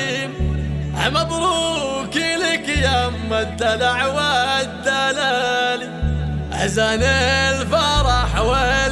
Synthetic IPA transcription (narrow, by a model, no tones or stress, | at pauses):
mʔʕ̰a̰mabɾukilɪkjamːad̪alaʕwad̪alalia̰zanelfaɾˤɑħawa